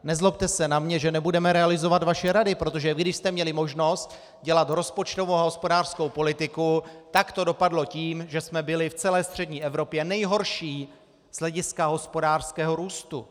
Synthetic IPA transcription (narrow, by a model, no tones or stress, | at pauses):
nɛzlop̚t̪ɛsɛnamɲɛʒɛnɛbudɛmɛɾɛalɪzo̞vat̪vaʃɛɾadɪpɾo̞t̪o̞ʒɛɡdɪʃst̪ɛmɲɛlɪmo̞ʒno̞st̪ | ɟɛlat̪ɾo̞spo̞t͡ʃt̪o̞vowaɦo̞spo̞daːr̥skowpo̞lɪt̪ɪkut̪akt̪o̞do̞padlo̞ciːmʒɛsmɛbɪlɪft͡sɛlɛːst̪r̝̥ɛd̚ɲiːʔɛvɾo̞pjɛnɛjɦo̞ɾʃiː | z̥lɛɟɪskaɦo̞spo̞daːr̥skɛːɦo̞ɾuːst̪u